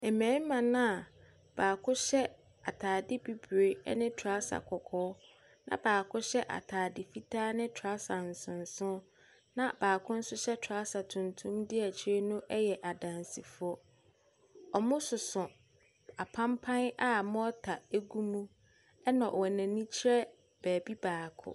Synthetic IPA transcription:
ɛ˨mɛ̃ː˨˦mã˨nã˦a˨ | b̥aː˨kʰʊ̃˦ɕɛ˦ | a̰˨tʰaː˨dɪ˦bi˦bɥḛ˨˦nɪ̃˦tʰa˦sa̰˨kʰɔ˨kʰɔː˦ | nã̰˨baː˨kʰʊ̃˦ɕɛ˦ʔa̰˨tʰaː˨dɪ˨fi˦tʰaː˦nɪ̃˦tʰa˦sa˨n̩˨sʊ̃˨n̩˨sʊ̃˦ | nã˦b̥aː˨kʰʊ̃˦n̩˦sʊ˦ɕɛ˦tʰa˦sa˨tʰũ˨ntʰũ˦mdɪ˦ɛ˨t͡ɕʰɪ˦ɾe˦nʊ̃˦ʔɛ˦jɛ˨ʔa˨dã˨nsi˨fʊ˨˦ɔ˦ | ɔ˨mʊ̃˦sʊ˨sʊ̃˨ | a˨pʰã˦mpʰã˦na˦mʊ̃˦ɔ˦tʰa˨e˦ɡu˦mũ˦ | ɛ˦nɔ̃˨ʔwɛ˨nã˨nĩ˦t͡ɕʰi˦ɾɛ˦ | b̥æː˨bi˦baː˨kʰʊ̰˦˨

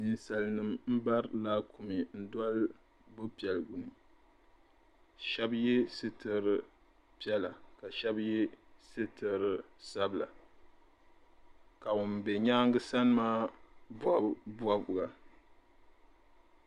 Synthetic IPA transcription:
ni˨nsa˨lnɨ˦mm̩˦ba˦ɾlaː˦ku˨mi˨n̩˦da˦l | bʊ˦pi˨ɛ˨lɡʊ˨ni˨ | ʃɛ˦bjɛ˦sɨ˦tɨ˨ɾɨ˨ | pi˦ɛ˦la˨ka˨ʃɛ˦bjɛ˦sɨ˦tɨ˨ɾɨ˦ | sa˦bɨ˨la̰˨ | ka˨ʊ˨m˨bɛ˨ɲaː˦ŋɡɨ˦sa˦n˦maː˦bbwa˦bʊ˨ɡa˨

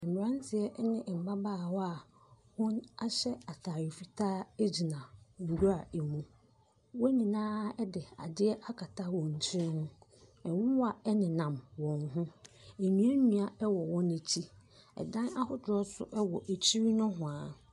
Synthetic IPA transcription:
m̩˨mɪ˨ɾã˦ntʰɪ˨ɛ˦ʔnɪ̃˨m̩˨ba˦baː˦˨wɔ˦a˨ | hʊ̃˦na˦ɕɛ˦a˨tʰaː˨ɾi˨fi˦tʰaː˦d͡ʑi˨nã˨ŋ̩˨ɡu˦a˨e˨mũ˨ | wɔ˦ɲĩ˨nãː˦ɛ˦dɪ˨a̰˨dɪ˦ɛ˦ʔa˦kʰa˨tʰa˦wɔ̃˨ɲ̩˨t͡ɕʰĩ˦hʊ̃˦ | ɛ̃˨wʊ̃˦wa˨ɛ˦nɪ̃˨nã˨mwɔ̃˨ŋɦʊ̃˦e˨nĩ˨˦a˦nũ˨a˦ɛ˦wɔ˨wɔ̃˦ne˨t͡ɕʰi˦ɛ̰˨dã˦na˦hʊ˦dɾɔ˦sʊ̰˦ʔɛ˦wɔ˨ʔe˨t͡ɕʰi˦ɾi˦nʊ̃˦ɦʊ̃˨a˨

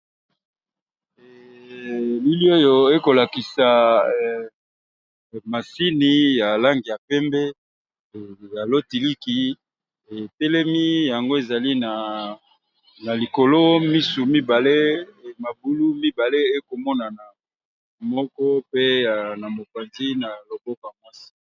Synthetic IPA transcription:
li˦li˦o˦jo˨e˦ko˨la˨ki˨sa˨ | ma˨si˦ni˨ja˨la˦ŋɡi˨ja˨pɛ˦mbɛ˦˨ | ja˨lo˦ti˨li˦ki˨ | e˨tɛ˦lɛ˦mi˦ja˨ŋɡo˦e˨za˨li˦na˨ | na˨li˨ko˨lo˦mi˦su˨mi˦ba˨le˦˨ma˨bu˨lu˦mi˦ba˨le˦e˦ko˨mɔ˦na˨na˨ | mɔ˦kɔ˦pe˦ja˨na˨mo˨pe˨nzi˦na˨lo˨bɔ˦ka˨mwa˦si̥˨

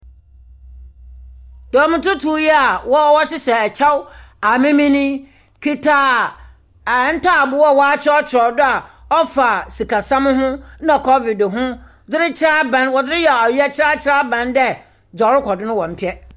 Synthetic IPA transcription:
d̥ɔ˨mɪ̃˨tʊ̃˦tʰu˦ji˦a˨wɔ˦ɔ˦wɔ˦ɕɪ˦sɛ˨t͡ɕʰa˦wa˨mɪ̃˦mĩ˦nĩ˦ | kʰi˦tʰa˦˨ | n̩˦tʰa˦˨bʊ˦wɔ˦˨wɔ˦a˦t͡ɕʰɪ˦ɔ˦t͡ɕʰɪ˨ɾɔ˨dʊ˦a˨ɔ˦fa˨si˨kʰa˨sã˦m˦ɦʊ̃˦nã˨kʰɔ˦vi˨dɦʊ̃˦ | dɪ˦ɾɪ˦t͡ɕʰɪ˦ɾa˦bã˦nwɔ˨dɪ˦ɾɪ˦jɛ˨ɔ˨ji˦ɛ˦t͡ɕʰɪ˦ɾa˦t͡ɕʰɪ˦ɾa˦bã˨ndɛ˦ | d͡ʑɔ˨ɾɪ˦kʷʰɔ˨dɪ˦nʊ̃˦wɔ̃˨m̩˨pʰi˦ɛ˦

